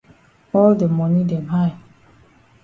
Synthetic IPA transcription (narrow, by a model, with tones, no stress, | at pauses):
ɔ˦lde˨mɔ˨ni˦de˨ba˦ɪ˨